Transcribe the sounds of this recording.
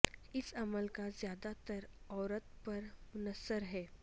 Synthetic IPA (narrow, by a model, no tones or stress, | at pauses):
ɪsɐməlkazjaːd̪at̪əɾɔːɾət̪̚pɐɾmʊnəsːəɾɦɛː